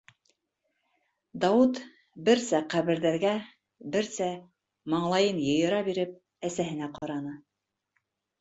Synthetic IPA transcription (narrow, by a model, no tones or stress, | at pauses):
d̪ɑwut̪ | bɘ̆ɾsæqæβɘ̆ɾðæɾɡæ | bɘɾsæ | mɑɴlˠɑjɤnjɤ̆jɤ̆ɾɑbiɾɘp̚ | æsæɦɘ̆næqɑɾɑnɤ